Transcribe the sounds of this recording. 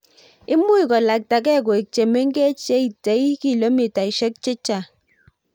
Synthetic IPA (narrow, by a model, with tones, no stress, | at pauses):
i˦mu˦i˨kɔ˨la˨k̚ta˨k̬ɛ˦˨k̬o˨e˨t͡ʃe˨me˦ŋ̩˦ke˦t͡ʃe˦i˨te˨˦i˦ki˦˨lo˦mi˨ta˨i˨ʃe˦k̚t͡ʃe˦t͡ʃa˨